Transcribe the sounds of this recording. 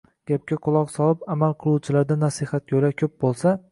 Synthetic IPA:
ɡ̥ʲap̚kʲaqʰʊlˠɒqsɒlɪpamalˠqʰɨlˠuwt͡ʃʰɪlaɾd̪anasihat̪̚ʲolakʲʰɵp̚bolˠsa

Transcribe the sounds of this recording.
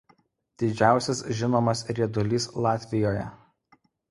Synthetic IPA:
d̪̥ʲɪd͡ʒʲæˑʊsʲɛsʒʲɪnoːmɐsɾʲiɛd̪ʊlʲislˠɑːt̪ʲʋʲɪjoːjɛ̰

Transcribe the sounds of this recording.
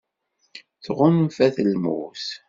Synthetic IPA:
θʁʊnfæθəlmṵs

